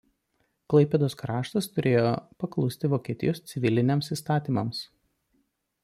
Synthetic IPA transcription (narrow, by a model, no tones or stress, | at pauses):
klˠɐɪpʲɛd̪oːskɾɑːʃt̪ɐst̪ʊɾʲeːjopɐklˠʊsʲt̪ʲɪʋoːkʲiɛt̪ʲɪ̰joːst̪sʲɪʋʲɪlʲɪnʲɛmsiːst̪ɑːt̪ʲiːmɐms